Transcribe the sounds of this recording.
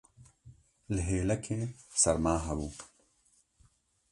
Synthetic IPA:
lɦeːlɐkʰẽːsɐɾmaːɦɐwuː

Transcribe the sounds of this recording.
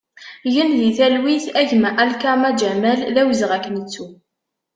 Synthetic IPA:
jənðiθælwiθæʝmæʔælkamæd͡ʒæmælðæwəzʁækːənət͡sːu

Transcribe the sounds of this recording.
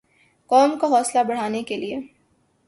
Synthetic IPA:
kɔːmkaɦɔːslabɐɽ̤aːnekelie

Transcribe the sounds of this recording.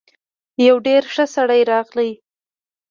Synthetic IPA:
jawɖeɾʃəsaɽajɾɑɣlaj

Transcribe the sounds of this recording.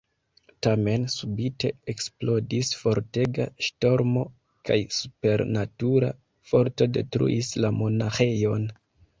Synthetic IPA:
tame̞nsubite̞eksplo̞disfo̞ɾte̞ɡaʃto̞ɾmo̞ | ka̰jsu̥pe̞ɾnatuɾa̰ | fo̞ɾto̞de̞̰tɾṵʔislamo̞naxe̞jo̞n

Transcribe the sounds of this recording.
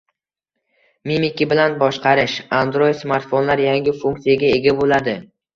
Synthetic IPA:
mimikʲibɪlanbɒʃqʰɑɾɪʃand̪ɾojɪd̪smaɾt̪fonlaɾjaŋɡʲɪfuŋkt̪ijaɡʲae̞ɡʲabolad̪ɪ

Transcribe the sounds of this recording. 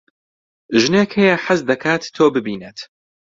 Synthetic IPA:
ʒɨnekʰɛjɛħazd̪ɐkʰaːt̪ːʰoːbɨbiːnet̪

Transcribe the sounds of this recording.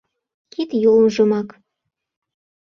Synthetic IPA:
kit̪jolnʒɤ̆mɑk

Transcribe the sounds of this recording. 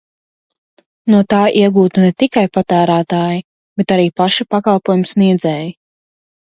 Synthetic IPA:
nuɔt̪aːʔiɛɡuːt̪unɛt̪ikajpat̪æːɾæːt̪aːji | bet̪aɾiːpaʃapakalˠpuɔjumsniɛd̪zɛːji

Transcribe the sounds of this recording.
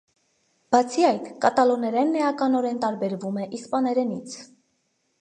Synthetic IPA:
b̥ɑt͡sʰiɑjt̪kɑt̪ɑlɔnɛɾɛnːɛjɑkɑnɔɾɛnt̪ɑɾbɛɾvumɛʔispɑnɛɾɛnit͡sʰ

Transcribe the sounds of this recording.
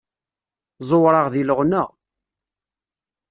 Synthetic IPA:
zˤoɾˤɑʁðiləʁnæ

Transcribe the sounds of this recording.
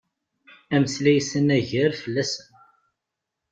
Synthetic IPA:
æməslæjsənæʝəɾfəlːæsən

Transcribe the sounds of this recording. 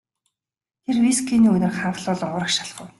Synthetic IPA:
t̪ʰerwiskʰiːniːɵnɘ̆rχaɴɢə̆ɮʊːɮɞ̆ɴʊɾə̆kʃḁɮχʊ̰̆w

